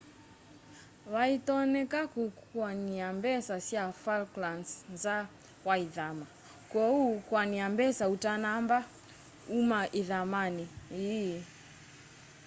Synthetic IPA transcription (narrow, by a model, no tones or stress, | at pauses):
waitɔnɛkakukwaniambɛsasiafalklansnza | waiðama | kɔukwaniambɛsautanamba | umaʔiðamanii